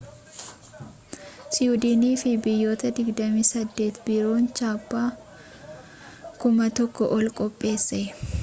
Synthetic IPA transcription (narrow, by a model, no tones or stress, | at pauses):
sɪʊd̪iːniːfɪbɪjːo̞ːt̪ɐd̪ɪɡd̪ɐmiːsɐd̪ːe̞ːt̪bɪɾo̞ːnt͡ʃaːpːaː | kʊmɐt̪ɔkːɔʔɔlkʼɔpʼːe̞ːsːɛ